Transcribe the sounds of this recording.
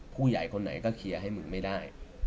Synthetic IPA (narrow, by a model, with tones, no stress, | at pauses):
pʰuː˥˩ja̰˨˩jkʰo˧nːa̰˩˦jkɔː˥˩kʰi˧ɐɦa˥˩jmɯ˨˦ŋma˥˩jdaː˥˩j